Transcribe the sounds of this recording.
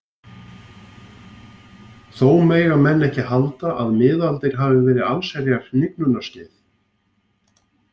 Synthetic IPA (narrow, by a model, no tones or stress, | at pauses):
θoːwmeːjɣamɛnːɛhcɪhalt̪aʔaðmɪːðalt̪ɪɾ̥ɦavɪvɛːɾɪðalsɛɾjarlɪknʏnascɪːθ